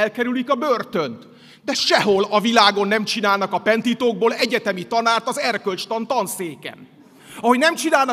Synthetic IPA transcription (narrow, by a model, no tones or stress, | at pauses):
ɛlkɛɾylikɒbørt̪ø̞nt̪ | d̪ɛʃɛɦo̞lɒvilaːɡo̞nːɛmt͡ʃinaːlnɒkɒpɛnt̪iːt̪oːɡ̚boːlɛɟɛt̪ɛmit̪ɒnaːrt̪ɒzɛrkølt͡ʃt̪ɒnt̪ɒnseːkɛ̰n | ɒhoɟnɛmt͡ʃinaːlnɒ